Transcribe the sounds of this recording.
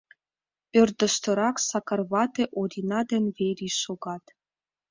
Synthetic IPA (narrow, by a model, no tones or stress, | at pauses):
ørd̪ə̆ʃt̪ɤ̆ɾɑksɑkɑrβɑt̪ĕʔod̪ʲinɑd̪ɘ̆nʲβeɾʲiʃoɣɑt̪